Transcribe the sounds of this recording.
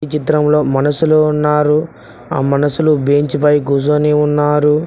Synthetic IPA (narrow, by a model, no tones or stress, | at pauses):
it͡ʃit̪ɾɐmlo̞ːmɐnɐsuluunːaːɾu | a̰ːmɐnɐsulubeːɲt͡ʃipɐjɡus̬oniunːaːɾu